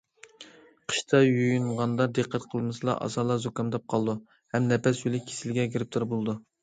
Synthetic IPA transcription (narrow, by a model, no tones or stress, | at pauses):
qʰə̥ʃt̪ʰɑjojunʁɑnd̪ɑd̪ɨqʰːɛt̪qʰəlˠmɨsɨlˠɑ̰ʔɑ̰zɑːlˠɑzokɑmd̪ɑp̚qʰɑlˠd̪u | hɛmnɛpɛsjylɪkʲʰe̥sɪlɡʲɛɡʲiɾɪp̚t̪ʰuɾbolˠɨd̪u